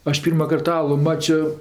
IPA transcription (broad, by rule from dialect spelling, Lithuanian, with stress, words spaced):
ˈɐʃ ˈpʲiːrmɐkɐrt ˈɑːlˠʊ ˈmɑːt͡ʃʲoː